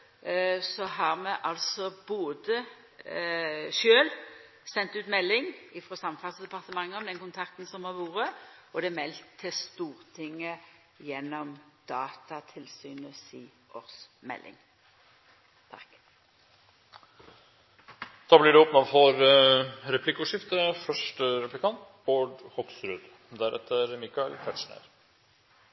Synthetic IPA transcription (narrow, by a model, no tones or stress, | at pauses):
sɔɦɑʁmɛʔɑlsɔboːd̪ə | ʃøːl | sɛnt̪ʉːt̪mɛlːɪŋɪfʁɔsɑmːfɑt̪sd̪ɛpɑʁt̪əmɑŋːəɔmd̪ɛnkʊnt̪ʰɑk̚t̪n̩sɔmhɑʋuːʁəɔd̪ɛmɛlt̪ʰːɪst̪uːʁt̪ʰɪŋːə | jɛnːɔmd̪̥ɑːt̪ɑt̪ʰɪlsyːnəsiː | ʔɔʁsmɛ̰lʔɪ̰ŋ | t̪ʰk | d̪̥ɑːblɪɖɛɔpnɑfɔɾ | ɾɛpʰlɪkːʉʂɪft̪əfœʂʈəɾɛplɪkʰɑnt̪ | boːɖhɔk̪sɾʉːd̪ | d̪æɾʔɛ̰t̪ʰːəɾmɪkɑɪɛ̰lkʰæʈ̪ʂɳæ̰əɾ